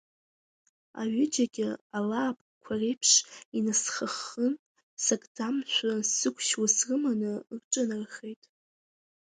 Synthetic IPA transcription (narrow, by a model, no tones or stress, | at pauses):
a̰ɥɪd͡ʒaɡʲɪalaːpʼkʷʰare̞jpʰʂinasχəχən | sakʼd͡zamʃʷᶣasɨkʷʰʃwasrɨmanɨrʈ͡ʂʼɨnarχejtʼ